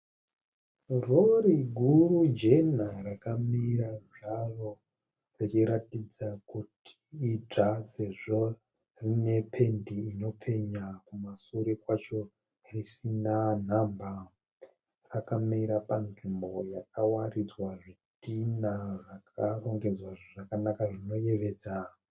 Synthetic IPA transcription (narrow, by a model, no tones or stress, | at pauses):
roɾiɡʱurud͡ʒe̞narakamiɾaʐaro̞ | rit͡ʃiɾatid͡zakutʰi̥ːd͡ʐase̞ʐo̞ | rine̞pʰe̞ndiːno̞pʰe̞ɲakumasoɾekwat͡ʃo̞ | risinan̤amba | rakamiɾapanʐimbo̞jakawarid͡zwaʐitinaʐakʰaro̞ŋɡe̞d͡zwaʐakanakaʐino̞je̞ʋe̞ːd͡za